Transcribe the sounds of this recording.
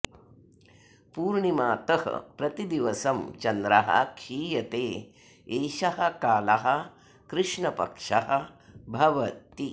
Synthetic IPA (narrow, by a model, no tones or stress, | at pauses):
puːɾɳimaːt̪ɐɦɐ̰pɾɐt̪id̪iʋɐsɐmt͡ʃɐnd̪ɾɐ̰ɦɐ̰kʰiːjɐt̪eː | eːʃɐhɐ̆kaːlɐɦɐ̆ | kɾɪʂɳɐpɐ̰kʂɐɦɐ̆bʱɐʋɐt̪i